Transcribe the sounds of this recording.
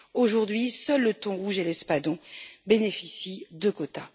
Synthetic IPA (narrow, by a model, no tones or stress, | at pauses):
oʒuʁd̪ɥisœlːət̪ɔ̃ʁuʒelɛspad̪ɔ̃benefisid̪əkɔt̪a